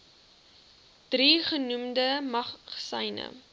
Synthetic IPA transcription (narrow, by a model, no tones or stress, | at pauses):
d̥riχənumdəmɐχsɐ̰jnə̰